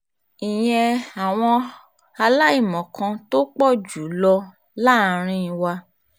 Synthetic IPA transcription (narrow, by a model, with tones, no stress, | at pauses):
i˨j̃ɛ̃˧a˨w̃ɔ̃˧ | a˧la˦i˦˨mɔ̃˨kʰã˧to˦k͡pɔ˦˨d͡ʒu˨˦lɔ˧ | la˦˨˦ɾ̃ĩ˧ĩ˨˧˨wa˧